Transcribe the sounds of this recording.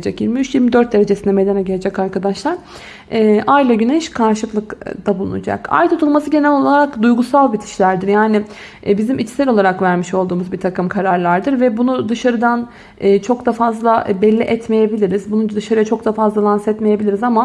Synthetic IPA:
d͡ʒɛcjiɾmiyt͡ʃjiɾmid̪øɾt̪̚d̪eɾe̞d͡ʒesind̪ɛmed̪anɛɟeled͡ʒɛcaɾkʰad̪aʃlˠaɾ | ɛːʔajlˠaɟynɛʃkʰaɾʃɯplˠɯkd̪̥abulˠṵn̰d͡ʒa̰ka̰jt̪ʰut̪ʰulˠmasɯɟe̞nɛlʲo̞lˠaɾakd̪ujɡusalˠbit̪ʰi̥ʃlʲæɾd̪iɾjaːnɪ | bizimit͡ʃsɛlʲo̞lˠaɾakvæɾmiʃo̞lˠd̪uːmuzbiɾt̪ʰakɯmkʰaɾaɾlˠaɾd̪ɯɾvɛbunud̪ɯʃaɾɯd̪an | ɯːt͡ʃʰo̞kd̪afazlˠaʔbɛlʲːiʔɛt̪me̞jebilʲiɾizbunund̪ɯʃaɾɯjat͡ʃʰo̞k̚d̪afazlˠalˠansɛt̪me̞je̞bilʲiɾizama

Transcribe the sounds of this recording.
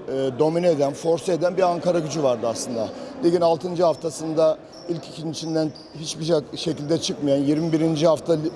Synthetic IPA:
ɛːd̪o̞mineed̪ænfo̞ɾsaed̪ænbiaŋkʰaɾaɟyd͡ʒyvaɾd̪ɯaslˠɯnd̪alʲiɟʲinalˠt̪ʰɯnd͡ʒɯɦaft̪ʰasɯnd̪a | ilʲcʰicʰinit͡ʃʰind̪æn | ɦit͡ʃbiʃe̞cʰilʲd̪ɛt͡ʃʰɯkmajanjiɾmibiɾind͡ʒihaft̪ʰa

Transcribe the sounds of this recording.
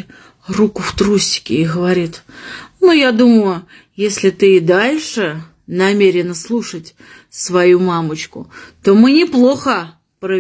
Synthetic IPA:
rukʊft̪ɾusʲtʲɪ̥kʲɪ̰ːɣəvɐɾʲit̪nujad̪uməjʊ | jesʲlʲɪt̪ɨɪd̪alʲʂɨ | nɐmʲeɾʲɪnəslˠuʂətʲ | svɐjumamət͡ɕkʊ̰t̪o̞mɨnʲɪplˠo̞xə | pɾə

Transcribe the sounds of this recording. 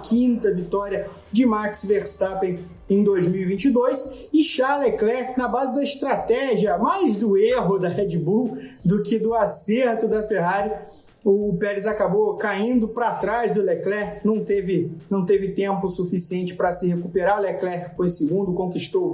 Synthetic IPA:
kʰĩnt̪ɐvit̪ɔɾjɐ | d͡ʒɪmaɾksveɾst̪apẽ | ẽj̃d̪ojzmiwivĩnt͡ʃɪd̪ojs | ɪʃaleklɛɾnɐbazɪd̪ɐiʃt̪ɾat̪ɛʒiɐmajzd̪ʊeɦʊd̪ɐɦɛd͡ʒibuwd̪ʊkɪd̪ʊaseɾt̪ʊd̪ɐfeɦaɾjʊ | ʊːpɛlɪzakabokaĩnd̪ʊpɾɐt̪ɾazd̪ʊleklɛhnɐ̃w̃t̪evɪnɐ̃w̃t̪evɪt̪ẽmpʊsufisiẽnt͡ʃɪ̥pɾɐsɪhekupeɾalɛklɛɾfõĩsɪɡũnd̪ʊkõkiʃt̪ow

